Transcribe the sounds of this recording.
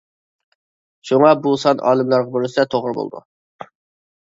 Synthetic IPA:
ʃuŋɑbusɑnʔɑ̰ːlˠɨmlˠɑɾʁɑboɾɨsɪd̪ɛt̪ʰoʁɾɨbo̰lˠd̪ṵ

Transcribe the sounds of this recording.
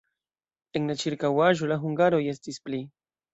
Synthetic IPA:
eŋlat͡ʃiɾkawaʒolaxuŋɡaɾojest̪ispli

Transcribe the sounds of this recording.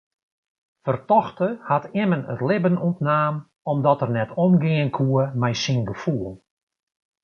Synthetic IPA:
fərtɔxtəhatʰɪmənə̰tlɪbənuntnaːm | ɔmdɔtərnɛtʰɔmɡɪənkʰuəmɛjsinɡəfuːlˠ

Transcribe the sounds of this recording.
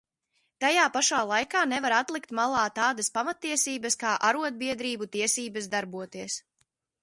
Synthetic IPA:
t̪ajaːpaʃaːlˠajkaːnɛvaɾat̪lˠikt̪malˠɑːt̪aːd̪ɐspamat̪ːiɛsiːbɐskaːʔaɾuɔd̪̚biɛd̪ɾiːbut̪iɛsiːbɐsd̪aɾbuɔt̪iɛs

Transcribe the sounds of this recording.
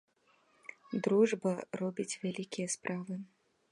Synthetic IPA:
d̪ɾuʐbɐrɔbʲit͡sʲvʲalʲikʲijɐspɾʔavɨ

